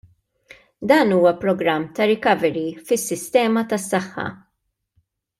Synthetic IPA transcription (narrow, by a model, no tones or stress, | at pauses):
d̪ɐːnuːwɐpɾɔɡɾɐmːt̪ɐɾɪkɐvɛɾifɪsːɪst̪ɛːmɐt̪ɐsːɐħːɐ̰